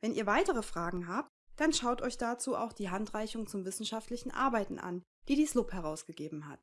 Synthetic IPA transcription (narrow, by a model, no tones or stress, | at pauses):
vɛnḭːɐvaɪtəʁ̞əfʁ̥aːɡŋ̩ɦaːp̚t | d̥anʃaʊtʔɔʏçd̥at͡suːʔa̰ʊxd̥iːɦantʁ̥aɪçʊŋt͡sʊmvɪsn̩ʃaftʰlɪçn̩ʔa̰ɐbaɪtn̩ʔa̰n | d̥iːdiːslʊphɛʁaʊsɡ̥əɡeːbm̩ɦa̰t